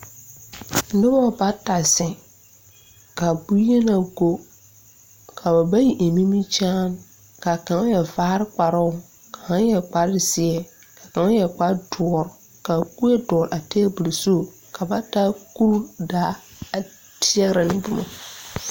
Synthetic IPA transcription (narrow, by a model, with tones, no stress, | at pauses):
nɪ˦bɔ˦˨ba˦ta˨sɪ˨ | ka˨bu˦e˦na˨ɡo˦ | kʰa˨ba˨ba˦ji˨ʔe˨mi˦mi˦t͡ʃaː˦n | ka˨ka˨ŋa˦jɛ˨vaː˦ɾɪ˦k͡pa˨ɾɔ˦ʊ˨ | ka˨ha˦jɛ˨k͡pa˦ɾsɪ˦ɛ˨ | ka˨ka˨ŋa˦jɛ˨k͡pa˦dʊ˨ɔ˨ɾ | ka˨ku˦e˦dɔ˨ɾa˨tɛ˦bu˨lso˦˨ | kʰa˨ba˦ta˦ku˦ɾdaː˨˦a˨ | tʰɪ˦ɛ˦ɣɾa˨nɪ˦bʊ˦ma˨